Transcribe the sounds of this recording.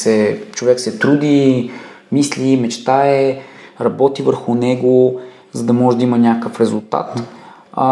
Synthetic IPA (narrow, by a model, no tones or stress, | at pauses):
sɛt͡ʃovɛksɛt̪ɾud̪i | mislimɛt͡ʃt̪aɛɾɐbɔt̪ivəɾxʊnɛɡo | zɐd̪ɐmɔʒɛd̪ɐimənʲakəkəfɾɛzulˠt̪a̰t̪